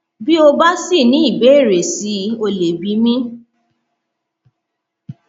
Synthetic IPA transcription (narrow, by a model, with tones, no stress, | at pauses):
bi˦o˧ba˦si˦˨nĩ˨˦i˦˨be˨˦i˦˨ɾe˨si˨˦o˧le˨bi˨˦mĩ˦